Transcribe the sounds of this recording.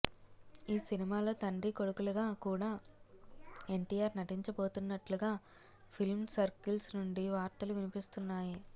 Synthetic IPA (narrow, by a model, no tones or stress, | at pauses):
iːsinimaːlo̞ːt̪ɐɳɖiko̞ɽukulɐɡaːkuːɽaː | e̞ɳʈiːjaːɾnɐʈiɲt͡ʃɐbo̞ːt̪unːɐʈluɡaː | pʰilmsɐɾkilsnuɳɖiʋaːɾt̪ɐluʋinipist̪unːaːji